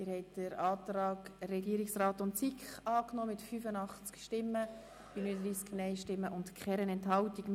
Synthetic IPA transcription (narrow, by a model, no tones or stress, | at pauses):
ɪɾhɛɪtd̥əɾɑːtrɑːɡrɛɡiːəɾiksraːtʊntsikχɑːknɔːmɪtfyfənɑχt͡skʃtɪmːə | binyəd̪ɾiːsknɛɪʃtɪmːəʔʊntkχɛɾənɛnthɑltik